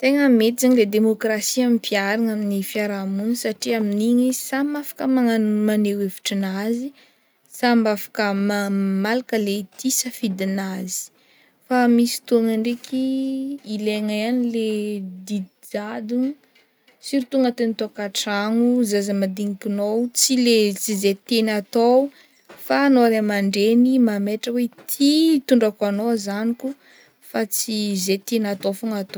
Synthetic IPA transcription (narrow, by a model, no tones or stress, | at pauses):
t̪eŋəmet̪izaɲiled̪emokrasiamipʰiaɾaŋaminifiaɾamunisaʈ͡ʂiaminiɲisamafḁkəmaamaneweviʈ͡ʂinazi | sambafḁkəmamalakəlet̪ʰisəfid̪inazi̥ | famisi̥t̪uaŋaɳɖ͡ʐekʰiː | leŋajaniled̪i | d͡ʒad̪un | siɾit̪uŋat̪enit̪okaʈ͡ʂaŋuzazamad̪iŋikinowt͡silet͡sizet̪enat̪ow | faːnoaɾemaɳɖ͡ʐenimameʈ͡ʂəwet̪ʰit̪uɳɖ͡ʐakanozaniku | fat͡sizet̪enat̪ofuŋat̪o